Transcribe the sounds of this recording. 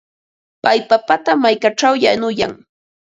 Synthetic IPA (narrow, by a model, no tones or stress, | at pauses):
pajpapat̪amajkaʈ͡ʂawjanʊja̰ŋ